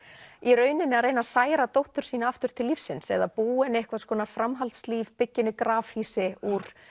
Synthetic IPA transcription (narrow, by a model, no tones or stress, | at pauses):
iɾœːɥnɪnːɪaɾejnasaːjɾat̪owht̪ʏɾ̥siːnaaft̪ʏɾ̥t̪ʰɪlːifsɪnsɛ̰ðapuːɪnːehkvaðskʰɔːnafɾamɦalt̪sliːvpɪcːɪnːɪkɾaːvhiːsɪuɾ̥